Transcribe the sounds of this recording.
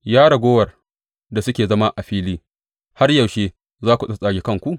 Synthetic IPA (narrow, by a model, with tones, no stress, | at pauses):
jaː˦ɽɐ˨ɡʷoː˦wɐ˨r | da˨sʊ˦kʲeː˨zɐ˦ma˦ʔa˨ɸiː˦liː˦ | ha˦rjɐ˨wʃeː˦ | zaː˦kʷu˨sʼɐ˦sʼaː˦ɡʲe˨˦kɐ˦˨ŋkʷu˦˨ʔ